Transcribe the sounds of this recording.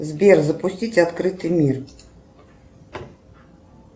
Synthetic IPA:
zʲbʲɛrzɐpusʲt͡sʲit͡sʲat̪kɾɨt̪ɨmʲir

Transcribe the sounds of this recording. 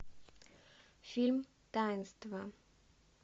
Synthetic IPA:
fɪlm | d̥aɪnstva

